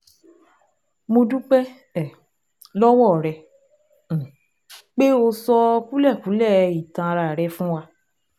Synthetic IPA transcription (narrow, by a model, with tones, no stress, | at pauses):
mo˧du˦k͡pɛ˦ | ɛ˨ | lɔ˦wɔ˦˨ɾɛ̃˧˨ | k͡pe˦o˧sɔ˧ku˦lɛ˦˨ku˨˦lɛ˦˨i˨tã˧ɾa˨ɾɛ˧fũ˦wa˧